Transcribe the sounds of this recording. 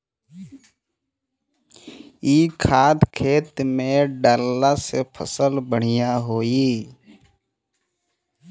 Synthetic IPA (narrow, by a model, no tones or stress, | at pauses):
iːkʰaːd̪kʰeːt̪mẽɖaːlːasepʰə̰səlbəɽ̤ijaɦoːi